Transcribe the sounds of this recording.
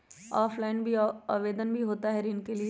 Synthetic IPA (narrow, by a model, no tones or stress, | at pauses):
aːfʰlaːɪnbʱiaːʋeːd̪ənbʱiɦoːt̪aɦɛɾiːnkelie